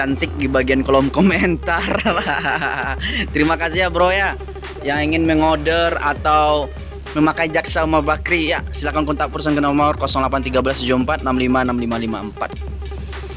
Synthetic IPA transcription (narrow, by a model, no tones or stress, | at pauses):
ant̪ɪk̚dibaɡiankolɔmkɔmɛnt̪ar | t̪əɾimakasɪhabɾoja | jaŋiŋɪnməŋɔdəra̰t̪aw | məmakaid͡ʒaksaumarbakɾijasilakankɔnt̪apərsənkənɔmɔrkɔsɔŋlapant̪iɡabəlasd͡ʒɔməmpat̪̚namlimanamlimalima̰əmpa̰t̪̚